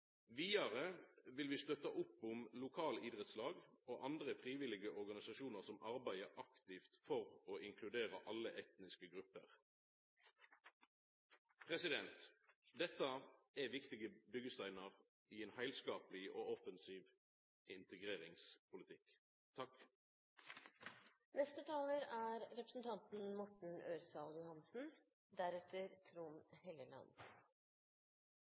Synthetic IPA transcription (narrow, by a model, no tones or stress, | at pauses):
ʋiːɑʁəʋɪlʋɪst̪œt̪ɑʔʊpːʊmlʊkʰɑːləiːd̪ʁɛt̪slɑːɡoːʔɑnd̪ʁəfʁiːʋɪlɪɡəɔʁɡɑnɪsɑʃuːnəʁsɔmʔɑʁbæɪəʔɑkt̪ɪft̪fɔʁoːɪŋkʰlʉd̪eːʁəʔɑlːəʔɛt̪nɪskəɡʁʉpːə̰ʁ | pʰʁɛsɪd̪ɛnt̪d̪ɛt̪ːɑɛʋɪkt̪ɪɡəbʏɡəst̪æɪnəʁ | ɪeːnhæɪlskɑːplɪʔo̰ːɔfənsiːʋ | ʔɪnt̪əɡʁeːʁɪŋspʰʊlɪt̪ʰɪk | t̪ʰɑk | nɛst̪ət̪ʰɑːləɾæːɾɾɛpɾə̥sn̩t̪ʰɑnt̪n̩mɔʈɳ̩øːɾsɑːljʊhɑnsn̩ | d̪æɾɛt̪ʰəɾt̪ʰɾuːnhɛləlɑ̰nd̪